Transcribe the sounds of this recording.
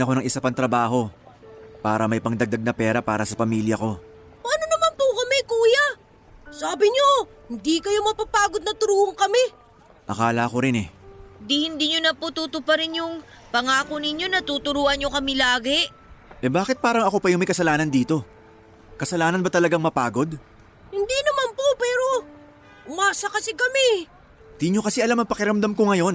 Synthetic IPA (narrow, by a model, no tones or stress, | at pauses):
nɐko̞nɐŋʔɪsapɐŋt̪ɾɐbaːɦo̞ | paːɾɐmɐjpɐŋd̪ɐɡ̚d̪ɐɡ̚nɐpɛːɾɐpaːɾɐsɐpɐmiːljɐko̞ | pɐʔɐnonɐmanpʊkɐmɛkuːjɐ | saːbɪɲohɪnd̪ikɐjomɐpapaːɡod̪̚nɐt̪ʊɾuːhoŋkɐmɛ | ʔɐkaːlɐɐko̞ɾɪnɛd̪ihɪnd̪iːɲonɐput̪ut̪ʊpɐɾɪnjʊŋ | pɐŋaːkonɪɲo̞nɐt̪ut̪ʊɾuːʔɐnɲːo̞kɐmɪlaːɡɛ | ʔɛbaːkɪt̪̚paːɾɐŋɐko̞pɐjʊŋmɐjkɐsɐlaːnɐnd̪iːt̪o̞ | kɐsɐlaːnɐnbɐt̪ɐlɐɡaŋmɐpa̰ːɡo̞d̪̚ | hɪnd̪inɐmanpopɛːɾo̞ | ʊmaːsɐkɐsɪkɐmɛ | nd̪iːɲo̞kɐsiʔɐlamɐŋpɐkɪɾɐmd̪amkoŋɐjo̞n